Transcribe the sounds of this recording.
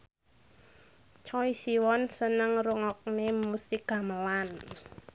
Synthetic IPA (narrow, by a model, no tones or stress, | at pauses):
t͡ʃɔisiwɔnsənəŋɾuŋɔk̚nemusɪk̚ɡa̤məlan